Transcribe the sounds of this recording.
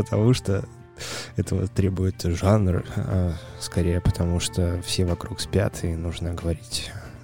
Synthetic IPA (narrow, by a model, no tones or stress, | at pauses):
pət̪ʰɐmuʂt̪o | ɛt̪əvə̰t̪ɾʲe̞bʊjɪt̪ʐanrɨ̰ | skɐɾʲejəpət̪ʰɐmuʂt̪ofsʲevɐkɾukspʲa̰t̪ʰɪnuʐnəɡəvɐɾʲitʲ